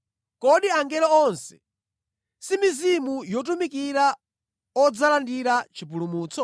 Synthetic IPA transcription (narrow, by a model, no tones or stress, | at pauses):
kɔɗiaŋɡɛɾɔɔnsɛ̥ | simizimujɔt̬umikiɾa | ɔd͡zalandiɾat͡ʃipulumuːt͡sɔ